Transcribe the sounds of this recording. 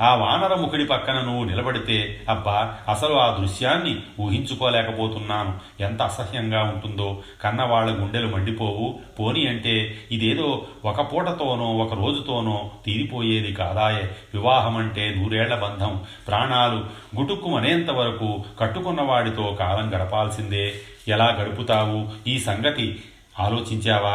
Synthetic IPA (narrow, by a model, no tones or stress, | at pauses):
aːʋaːnɐɾɐmukʰiɽipɐkːɐnɐnuʋːunilɐbɐɽit̪e̞ːɐbːaːɐsɐluaːd̪ɾuʂjaːnːiuːɦiɲt͡ʃukoːlɛːkɐpo̞ːt̪unːaːnu | ent̪ɐɐsɐhjɐŋɡaːuɳʈund̪o̞ː | kɐnːɐʋaːɭːɐɡuɳɖe̞lumɐɳɖipo̞ːwupoːniɐɳʈe̞ːid̪eːd̪o̞ːɔkɐpuːʈɐt̪o̞ːnoːɔkɐɾoːd͡ʒut̪o̞ːnoːt̪iːɾipo̞ːje̞ːd̪ikaːd̪aːjeʋiʋaːɦɐmɐɳʈe̞ːnuːɾuɛːɭːɐbɐnd̪ʱɐmpɾaːɳaːlu | ɡuʈukːumɐneːnt̪ɐʋɐɾɐkuːkɐʈːukunːɐʋaːɽit̪oːkaːlɐmɡɐɽɐpaːlsind̪e̞ː | ɛlaːɡɐɽuput̪aːwuiːsɐŋɡɐt̪i | aːlo̞ːt͡ʃiɲt͡ʃɛːʋaː